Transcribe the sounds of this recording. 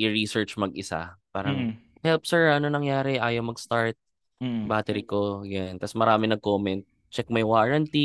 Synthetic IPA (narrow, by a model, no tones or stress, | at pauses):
ʔɪɹisɛɹt͡ʃmɐɡʔɪsa̰paːɾɐŋ | hɛlp̚sɛɹʔɐnonɐŋjaːɾɛʔaːjɐwmɐɡst̪aɹt̪̚ | baːt̪ɛɾikojant̪asmɐɾaːmɪnɐɡ̚koːmɛnt̪̚ | t͡ʃɛk̚mɐjwaːɹɐnt̪i